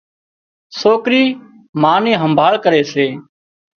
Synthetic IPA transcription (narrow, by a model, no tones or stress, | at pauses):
soːkɾiː | maːnẽːɦəmbʱaːɭkəɾeːseː